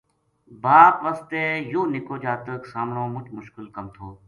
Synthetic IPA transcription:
baːpʋaːst̪eːjoːnɪkoːd͡ʒaːt̪əksaːmɽõːmʊt͡ʃmʊʃkɪlkəmt̪ʰoː

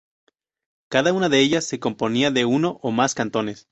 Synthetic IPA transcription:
kaðaunaðe̞eʝasːe̞ko̞mpo̞niaðe̞uno̞ʔomaskant̪o̞ne̞s

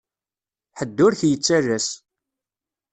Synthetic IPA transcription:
ħəd̪ːʊɾçjət͡sːærːæs

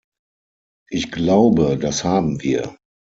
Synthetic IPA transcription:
ʔɪçɡ̥laʊbədashaːbm̩viːɐ

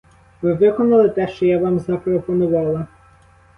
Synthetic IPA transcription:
ʋɪʋɪkɔnɐlˠɪt̪ɛʃt͡ʃɔjaʋɑmzɐpɾɔpɔnʊʋɑlˠɐ

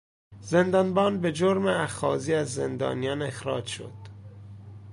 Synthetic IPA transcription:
ze̞nd̪ɒnbɒːnbe̞d͡ʒoɾmeæxɒːziːæzːend̪ɒ̰ːnijɒne̞xɾɒːd͡ʒʃo̰d̪̥

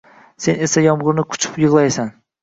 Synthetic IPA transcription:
se̞nesajɒmʁʊɾnɪkʰʊ̥t͡ʃʰɪ̥pjɨʁlˠajsan

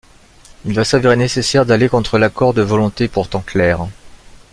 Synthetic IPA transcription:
ilvasaveʁenesesɛʁd̪alekɔ̃t̪χəlakɔʁd̪əvɔlɔ̃t̪epuʁt̪ɑ̃klɛːʁ

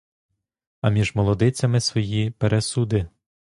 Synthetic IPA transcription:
ɐmʲiʒmɔlˠɔd̪ɪt͡sʲɐmɪsʋɔjipeɾʔesud̪ɪ

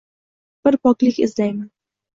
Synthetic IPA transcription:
b̥ɪɾpʰɒklɪkʲɪ̰zlajman

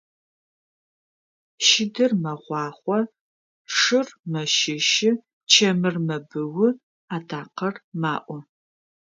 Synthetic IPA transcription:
ʃɪdɨrmɐʁʷɑːχʷɔ | ʂɨrmɐʃɪʃɪ | t͡ʃʰɐmɨrmɐbɨwʊ | aːtʰaːqɐrmaːʔʷɔ

